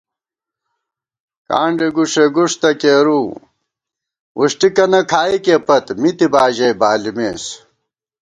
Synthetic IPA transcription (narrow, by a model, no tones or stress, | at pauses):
ka̰ːɳɖeɡuʂeɡuʂt̪ɐkeːɾuː | uʂʈikɐnɐkʰaːikepɐt̪mit̪ibaːʑɐjbaːlimeːs